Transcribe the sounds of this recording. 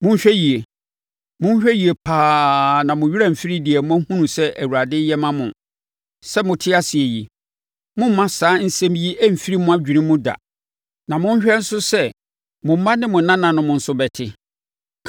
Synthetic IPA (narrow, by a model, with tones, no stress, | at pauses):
mʊ̃˦ɲ̩˦ɕᶣɛ˦ji˨e˨ | mʊ̃˦ɲ˦ɕᶣɛ˦ji˨e˨pʰaː˦nã˨mʊ̃˨ɥi˦ɾa˦m̩˨fi˦ɾi˦di˨ɛ˨mʊ̃˦æ˦hũ˦nũ˨sɛ˦ʔæ˨wu˨ɾa˨dɪ˦jɛ˦mã˦mʊ̰̃˨ | sɛ˦mʊ̃˨tʰɪ˦a˦sɪ˨e˨ji˨ | mʊ̃˦m˦mã˦saː˨˦n̩˦sɛ̃˦mji˦ʔæ˦m̩˨fi˦ɾi˦mʊ̃˦a˦d͡ʑᶣi˨nĩ˦mʊ̃˦da̰˨ | nã˨mʊ̃˦n̩˦ɕᶣɛ˦n̩˦sʊ˦sɛ˦ | mʊ̃˨m̩˦mã˦nɪ̃˦mʊ̃˨nã˦nã˨nʊ̃˦mʊ̃˨n̩˨sʊ˦bɛ˨tʰɪ˦